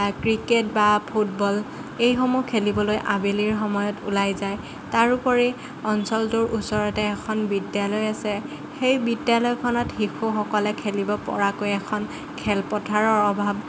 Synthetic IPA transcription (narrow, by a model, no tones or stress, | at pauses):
kɹiket̚bapʰutbɔl | ejxɔmukʰelibɔlojʔabeliɹxɔmɔjɔtṵlajzaj | taɹupɔɹi | ɔnsɔltuɹʔusɔɹɔtɛːkʰɔnbidjalɔjasɛ | xejbidjalɔjkʰɔnɔtxixʰuxɔkɔlɛkʰelibɔpɔ̰ɹakojɛkʰɔn | kʰɛlpɔtʰaɹɔɹɔbʱab